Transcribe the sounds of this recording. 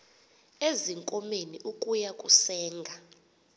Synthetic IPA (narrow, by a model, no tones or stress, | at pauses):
eziŋkʼɔmeniʔukʼujakʼusɛːŋɡʱa